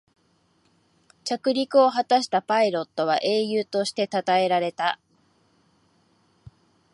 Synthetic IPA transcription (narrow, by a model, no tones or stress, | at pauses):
t͡ɕakɯ̟ɾʲikɯ̟o̞ɦat̪aɕi̥t̪apaiɾo̞t̪ːo̞β̞a̰ʔe̞ːjɯːt̪o̞ɕi̥t̪e̞t̪at̪ae̞ɾaɾe̞t̪a